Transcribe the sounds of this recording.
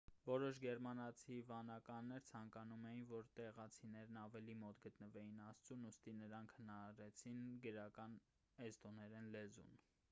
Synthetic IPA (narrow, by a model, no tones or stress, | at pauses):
vɔɾɔʃɡɛɾmɑnɑt͡sʰivɑnɑkɑnːɛɾt͡sʰɑŋkɑnumɛjinvɔɾt̪ɛʁɑt͡sʰinɛɾnɑvɛlimɔt̪ɡət̪nəvɛjinɑst͡sunust̪inəɾɑŋkʰhənɑɾɑɾɛt͡sʰinɡəɾɑkɑn | ɛst̪ɔnɛɾɛnlɛzṵn